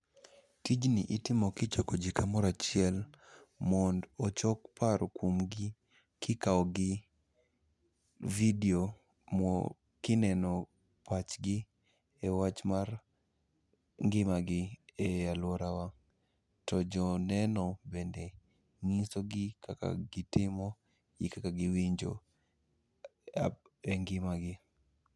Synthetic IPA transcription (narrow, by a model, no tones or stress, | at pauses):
tid͡ʒniʔitɪmɔkɪt͡ʃɔkɔd͡ʒikamɔɾat͡ʃɪɛlmɔndɔt͡ʃɔkparkwomɡɪ | kʰɪkaɔɡɪ | vidio | mɔ̰ | kɪnɛnɔ | pat͡ʃɡɪ | ɛwat͡ʃmar | ŋɡɪmaɡɪɛalwɔɾawa | tɔd͡ʒɔnɛnɔbende | ŋisɔɡɪkaka̰ɡɪtɪmɔ | jikakaɡɪwiɲd͡ʒo̰ | a̰p | ɛŋɡɪmaɡɪ